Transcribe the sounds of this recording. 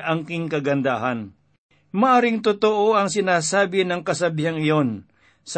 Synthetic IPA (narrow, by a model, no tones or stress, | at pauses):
ʔɐŋkɪŋkɐɡɐnd̪aɦɐn | mɐʔaːɾɪŋt̪ʊt̪oʔo̞ʔɐŋsɪnaːsaːbɪnɐŋkɐsɐbiɦaŋɪjon | s